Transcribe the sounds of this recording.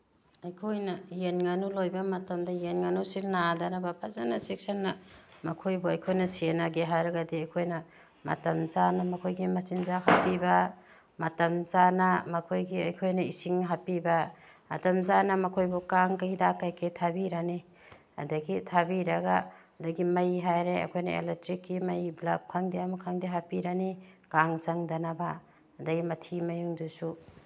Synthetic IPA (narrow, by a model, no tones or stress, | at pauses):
ɐjkʰojnɐjenŋanulojbɐmɐtɐmdɐjenŋanusilnadanabapʰazanasek̚sɐnːɐmɐkʰojbɔɐjkʰojnɐsienaɡeɦaɾɐɡɐdiɐjkʰojnɐ | mɐ̰tɐmzanɐmɐkʰojɡimɐsinzahapibɐ | mɐtɐmzanɐmɐkʰojɡiɐjkʰojnɐisiŋɦapibɐ | ɐ̰tɐmzanɐmɐkʰojbukaŋkɐidakajkʰetʰabiɾani | ɐ̰dɐɡitʰabiɾɐɡa | dɐɡimɐjɦajɾeɐ̰jkʰojnɐḛletɾikːimɐjblap̚kʰaŋdiɐmɐkʰaŋdiɦapiɾanikaŋt͡ʃɐŋdɐnabaː | dɐɡimɐtʰimɐjuŋdusu